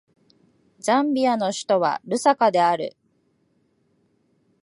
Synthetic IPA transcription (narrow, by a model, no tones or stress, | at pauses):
d͡ʑãmbʲiano̞ɕi̥t̪o̞βa̰ɾɯ̟sakad̪e̞aɾɯ̟̰